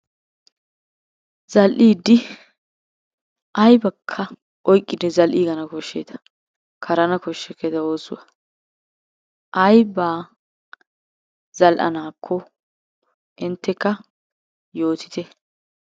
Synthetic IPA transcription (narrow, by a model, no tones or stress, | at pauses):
zɐlʔiːd̪ːɪ | ʔɐjbɐkʰːɐ | ʔɔjkʼːɪd̪ɛzɐlʔiːɡɐnɐkɔʃːeːt̪ɐ̥ | kʰɐɾɐnɐkɔʃːɛkːɛd̪ɐoːsʊ̰wɐ | ʔɐjbaː | z̥ɐlʔɐ̰naːkʰːɔ | ʔɪnt̪ːɛkːɐ | jo̞ːt̪ɪ̥t̪ɛ